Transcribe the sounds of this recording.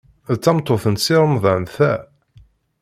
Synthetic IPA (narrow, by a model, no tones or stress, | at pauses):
ðt͡sːɑmt̪ˤːoθənsiɾˤəmðˤɑmθæ